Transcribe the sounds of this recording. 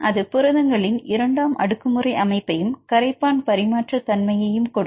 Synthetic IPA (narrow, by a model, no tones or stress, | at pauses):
ʔɐðɯpɯɾɐðɐŋɡɐɭɪnɪɾɐɳɖaːmʔɐ̰ɽɯkːɯmɯrɐɪʔɐmɐɪpːɐjɯmkɐɾɐɪpːaːnpɐɾɪmaːʈrɐt̪ɐnmɐjɐjɯmkɔɽɯ